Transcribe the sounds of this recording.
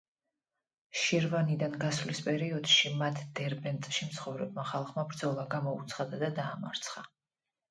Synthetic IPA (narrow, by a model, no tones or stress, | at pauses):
ʃiɾvanid̪anɡasvlispʼɛɾiɔd̪ʃimat̪ʰd̪ɛɾbɛnt̪ʼʃimt̪sʰχɔvɾɛb̚maχalˠχmabɾd̪zɔlˠaɡamɔut̪sʰχad̪ad̪ad̪aːma̰ɾt̪sʰχa